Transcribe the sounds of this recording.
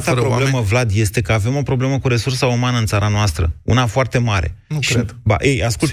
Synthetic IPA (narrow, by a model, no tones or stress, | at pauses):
t̪apbobleməvlad̪je̞st̪e̞kəave̞mo̞pɾo̞ble̞məkuɾe̞sursaumanəɨnt̪saɾanoast̪ɾə̰ṵnafoart̪e̞maɾe̞̰nuɾed̪ba̰ʔejaskult̪